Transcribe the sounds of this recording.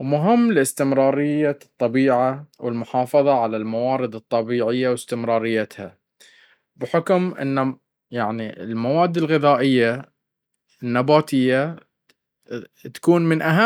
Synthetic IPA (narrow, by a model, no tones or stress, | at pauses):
mʊɦɪmːlɪst̪ɪmɾɑːɾɪjːat̪ˤːɑbiːʕawɪlmʊħɑːfɑðˤɑʕalalmawɑːɾɨd̪ɨt̪ˤːɑbiːʕɪjːawɪst̪ɪmɾˤɑːɾɪjːat̪ha | bɪħɪkmʔɪ̰nːa | jaʕniɪlmawaːd̪ːɪlɣɪðaːʔɪjːa | ɪnːabaːt̪ɪjːa | t̪ḁkuːnmɪnʔaɦa